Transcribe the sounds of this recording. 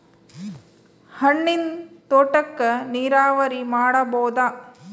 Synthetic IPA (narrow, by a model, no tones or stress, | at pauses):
hɐɳːint̪oːʈɐkːɐniːɾaːʋɐɾimaːɽɐboːd̪aː